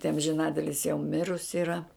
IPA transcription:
tɐɪ ɐmʲʒʲɪˈnɑːtʲɪlʲɪs jɛʊ ˈmʲɪrʊsʲɪ iːˈrɐ

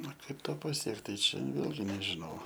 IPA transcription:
ɐ ˈkɐɪp ˈtoː pɐˈsʲiɛkt tɐɪ ˈt͡ʃʲɛ ˈʋʲeːlʲɡʲɪ nʲɛʒʲɪˈnɐʊ

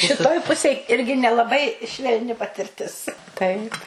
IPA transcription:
ʃʲɪˈtoːj ˈpʊsʲeːj ˈɪrʲɡʲɪ nʲɛlˠɐˈbɐɪ ʃʲʋʲɛlʲˈnʲɪ pɐtʲɪrʲˈtʲɪs ˈtɐɪp

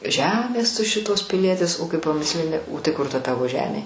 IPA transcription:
ˈʒʲæːmʲeːs tʊ ˈʃʲɪtoːs pʲɪˈlʲiɛtʲɪs oː ˈkɐɪ pɐˈmʲɪsʲlʲɪnʲɪ oː tɐɪ ˈkʊr tɐ ˈtɑːʋoː ˈʒʲæːmʲeː

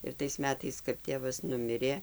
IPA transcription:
ɪr tɐɪs ˈmʲæːtɐɪs kɐp ˈtʲeːʋɐs ˈnʊmʲɪrʲeː

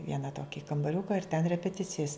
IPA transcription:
ˈʋʲiɛnɐ ˈtoːkʲɪ kɐmbɐˈrʲʊkɐ ɪr tʲɛn rʲɛpʲɛˈtʲɪt͡sʲɪjɛs

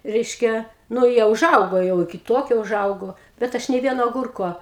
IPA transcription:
ˈrʲɛɪʃʲkʲɛ nʊ ˈjiɛ ʊˈʒɐʊɡoː jɛʊ ɪkʲɪ ˈtoːkʲoː ʊˈʒɐʊɡoː bʲɛt ˈɐʃ nʲeː ˈʋʲiɛnoː ɐˈɡʊrkoː

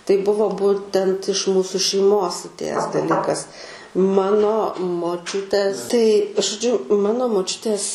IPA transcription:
tɐɪ ˈbʊʋoː ˈbuːtʲɛnt ɪʃ ˈmuːsʊ ʃʲɛɪˈmoːs ɐtʲˈeːjæːs dɐˈlʲiːkɐs ˈmɑːnoː moːˈt͡ʃʲʊtʲɛs tɐɪ ʒoːˈd͡ʒʲʊ ˈmɑːnoː moːˈt͡ʃʲʊtʲeːs

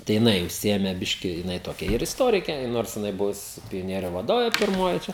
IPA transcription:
tɐɪ jɪˈnɐɪ ʊʃʲˈsʲɪeːmʲɛ ˈbʲɪʃʲkʲɪ jɪˈnɐɪ ˈtoːkʲɛ ɪr ɪsˈtoːrʲɪkʲeː ˈnoːrs jɪˈnɐɪ ˈbʊʋʊs pʲoːˈnʲiɛrʲʊ ʋɐˈdoːʋʲeː pʲɪrˈmoːjɪ t͡ʃʲɛ

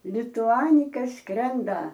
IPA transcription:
lʲɪtʊˈɑːnʲɪkɐ ˈskrʲɛndɐ

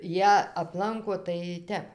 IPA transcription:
ˈjiɛ ɐpˈlˠɐŋkoː tɐɪ ˈtʲɛp

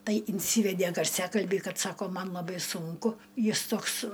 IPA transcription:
ˈtɐɪ ɪnʲˈsʲiːʋʲɛdʲeː ɡɐrʲˈsʲæːkɐlʲbʲiː ˈkɐt ˈsɑːkoː ˈmɐn lˠɐˈbɐɪ sʊŋˈkʊ ˈjɪs ˈtoːks

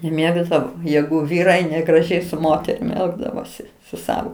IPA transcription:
nʲɛˈmʲeːɡdɐʋoː ˈjæːɡʊ ˈʋʲiːrɐɪ nʲɛɡrɐˈʒʲɛɪ sʊ ˈmoːtʲɛrʲɪm ˈɛlˠɡdɐʋoːsʲɪ sʊ ˈsɑːʋoː

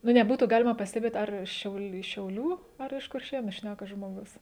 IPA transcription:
nʊ nʲɛˈbuːtuː ˈɡɑːlʲɪmɐ pɐsʲtʲɛˈbʲeːt ˈɐr ˈʃʲɛʊlˠ ʃʲɛʊˈlʲuː ɐr ɪʃ kʊrʲˈʃʲeːnʊ ˈʃʲnʲækɐ ʒmoːˈɡʊs

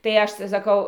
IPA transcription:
tɐɪ ˈɐʃ tɐɪ sɐˈkɐʊ

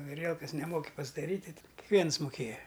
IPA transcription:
ɐˈrʲiɛlˠkɐs nʲɛˈmoːkʲɪ pɐzdɐˈrʲiːtʲ tɐɪ kʲɪkˈʋʲiɛns mʊˈkʲeːjɛ

